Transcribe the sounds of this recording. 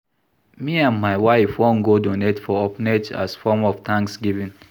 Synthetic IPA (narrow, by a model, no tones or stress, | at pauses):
miãnmaɪwaɪfwõn̩ɡodonetfɔɔpneta̰sfɔmɔftʰãŋksɡivĩn